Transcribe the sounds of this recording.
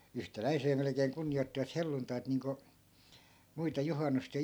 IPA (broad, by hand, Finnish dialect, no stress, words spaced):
yhtælæiseː melĕkeːŋ kunːij̆oitːiʋɑt helːuntɑit niːŋko muitɑ juhɑnːust jɑ